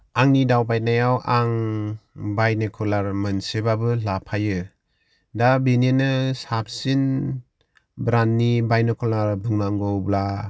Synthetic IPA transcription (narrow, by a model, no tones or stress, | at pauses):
aŋnidawbajt̚najawʔaŋ | bajnɯkʰɔlaɾmɯnsebabɯlapʰajɯ | dabenenɯsap̚sin | bɾanːibajnɯkʰɔlaɾbuŋnaŋɡɔwbla